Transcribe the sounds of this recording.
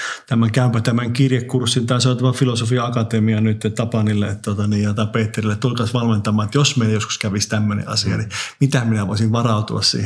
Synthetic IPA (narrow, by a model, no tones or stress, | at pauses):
t̪æmæŋkæympæt̪æmæŋkirjekːursːint̪ɑisenot̪æmæfilosofiɑɑkɑt̪emiɑnyt̪ːet̪ɑpɑnilːeet̪t̪uot̪ɑniːjjɑt̪ɑpeːt̪ːerilːˑet̪t̪ulkɑːsʋɑlment̪ɑmɑːet̪josmeiljosku̥skæʋist̪æmːønḛʔɑ̰siɑ̰nimit̪æminæʋo̰isiʋʋɑrɑut̪uɑ̰ssḭːhe